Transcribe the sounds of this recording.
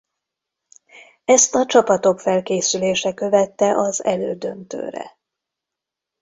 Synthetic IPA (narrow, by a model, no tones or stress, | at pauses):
ɛst̪ɒt͡ʃɒpɒt̪o̞kfɛlkeːsyleːʃɛkø̞vɛt̪ːɛʔɒzɛ̰løːd̪ø̞nt̪ø̰ːɾɛ̰